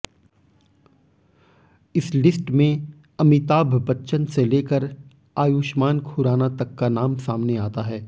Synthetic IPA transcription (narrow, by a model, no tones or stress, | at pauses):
ɪslɪsʈmẽ | ɐmɪt̪aːbʱbɐtːʃənseleːkəɾ | aːjuːʃmaːnkʰʊɾaːnat̪ɐkːanaːmsaːmneaːt̪aɦɛː